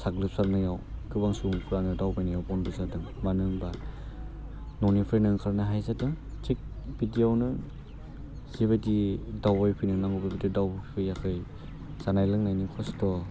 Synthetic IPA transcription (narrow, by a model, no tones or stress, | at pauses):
saklɯp̚saɾ̚najawkɯbaŋsuŋkʰuɾanɯdawbajnajawpɔnbɯzadɯŋ | manɯŋba | nɔnipʰɯnɯŋkʰaɾnaɦajzadɯŋtik̚b̥idijawnɯ | ziβadidawbajpʰijnɯŋnaŋɡubabedidawbpʰɯjakʰɯj | z̥anajlɯŋnajnikʰɔstɔ